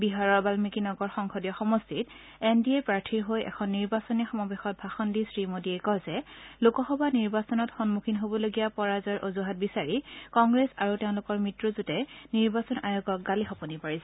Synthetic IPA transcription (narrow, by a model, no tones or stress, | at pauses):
biɦaɹɔɹbalmikinɔɡɔɹxɔŋxʰɔdijɔxɔmɔstʰit | endiɛpɹaɹtʰiɹɦojɛ̰kʰɔnːiɹbasɔnixɔmɔbɛxɔt̚bʱaxɔndisɹimodiɛkɔzɛlukɔxɔbaniɹbasɔnɔtxɔnmukʰinɦobɔloɡijapɔɹazɔɹʔozuɦat̚bisaɹikɔŋɡɹesaɹuteʊ̃lʊkɔɹmɹitɹɔzutɛniɹbasɔnajoɡɔk̚ɡalixɔpɔnipaɹis